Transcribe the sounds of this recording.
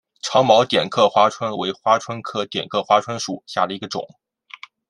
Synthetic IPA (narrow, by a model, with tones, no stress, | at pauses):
ʈ͡ʂʰɑ˧˥ŋmɑ˧˥ʊt̪jɛ˨˩nkʰɤ˥˩xwa˥ʈ͡ʂʰwə˥nwe˧˥ɪxwa˥ʈ͡ʂʰwə˥nkʰɤ˥˩t̪jɛ˨˩nkʰɤ˥˩xwa˥ʈ͡ʂʰwə˥nʂu˨˩˦ɕja˥˩d̪ə˩i˧˥ɡə˧ʈ͡ʂʊ̰˨˩˦ŋ